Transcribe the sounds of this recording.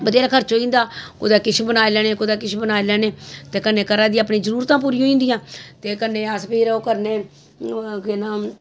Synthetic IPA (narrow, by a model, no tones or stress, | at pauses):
bəd̪eːɾaːkʰəɾt͡ʃoːĩːnd̪aːko̰d̪aːkɪt͡ʃʰbənaːelɛːneːkod̪aːkɪt͡ʃʰbənaːelɛːneːt̪eːkənːeːkəɾãːd̪iːaəpniːzəɾuːɾt̪ãːp̬uːɾiːoːĩːnd̪ɪjãːt̪eːkənːeːəspʰeːɾoːkəɾneː | kɪnãː